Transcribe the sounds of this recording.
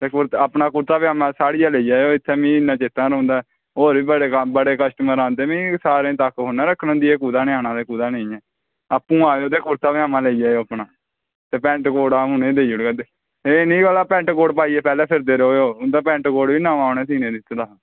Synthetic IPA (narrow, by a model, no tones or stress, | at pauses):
t̪eːkʊɾt̪apnaːkʊɾt̪aːʋaːmãːsaːɽiːjaːleiːd͡ʒaːeoːɪt̪ʰːeːmĩːɪnãːt͡ʃeːt̪ãːɾõːnd̪aːɛ | oːɾʋiːbəɽebəɽeːkəsʈəməɾaːnt̪eːmĩːsaːɾẽːt̪əkɦonãːɾəkʰːnõːnd̪iːeːkuːd̪aːneaːnãːd̪eːkuːd̪aːneĩːɛː | əpːũːaːoːt̪̬eːkʊɾt̪aːʋɪjaːmãːleːiːd͡ʒaːjoːapɳaː | t̪eːpɛ̃ːɳʈkoːɽaːʊnẽːd̪eːiʊɽɡad̪eː | eːnĩːkəlaːpɛ̃ːɳʈkoːɖpaːiːɛːpɛːlɛːpʰɪɾd̪eːɾoːoːʊd̪aːpɛ̃ːɳʈkoːɽʋiːnãːaːnẽːsiːnẽːd̪ɪt̪ːd̪aː